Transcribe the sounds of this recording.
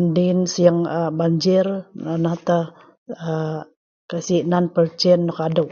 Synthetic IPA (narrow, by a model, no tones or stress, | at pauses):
ndinsjaŋəbaɲd͡ʒɪranaht̪a | ə | kasiʔnanpərt͡ʃɛnːɔkadəw